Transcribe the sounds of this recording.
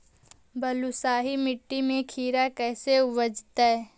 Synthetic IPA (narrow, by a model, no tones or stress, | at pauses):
bɐlusaːɦimɪʈːimẽkʰiːɾakɛːseʋɐd͡ʒt̪aɦɛ